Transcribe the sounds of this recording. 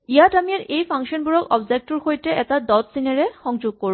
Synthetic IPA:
ijatamiaɹʔejpʰaŋʃɔnbuɹɔkɔbzek̚tuɹxojtɛʔɛtadɔtsinaɹɛxɔŋd͡ʒoɡ̚koɹũ

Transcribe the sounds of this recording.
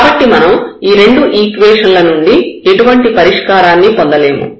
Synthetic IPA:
kaːbɐʈːimɐnɐmiːɾe̞ɳɖuʔiːkʋɛːʂɐnlɐnuɳɖieʈuʋɐɳʈipɐɾiʂkaːɾaːnːipond̪ɐle̞ːmṵ

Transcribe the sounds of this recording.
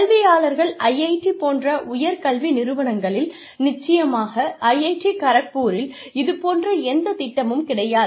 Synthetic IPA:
kɐɭʋɪjaːlɐɾɣɐɭɐjɐɪʈːipoːndrɐʔʊjɐɾkɐɭʋinɪɾɯʋɐɳɐŋɡɐɭɪl | nɪt͡ʃːɐjɐmaːɣɐʔɐjɐɪʈːikɐɾɐk̚pːuːɾɪl | ɪðɯpoːndrɐɛnd̪ɐt̪ɪʈːɐmɯmkɪɽɐjaːð

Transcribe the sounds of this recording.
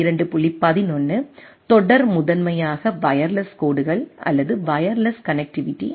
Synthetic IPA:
ɪɾɐɳɖɯpʊɭːipɐðɪnɔnːɯ | t̪ɔɽɐɾmʊðɐnmɐjaːɣɐʋɐjɐɾlɐskoːɽɯɣɐɭʔɐ̰lːɐðɯʋɐjɐɾlɐskɐnɛk̚ʈɪʋɪʈːḭ

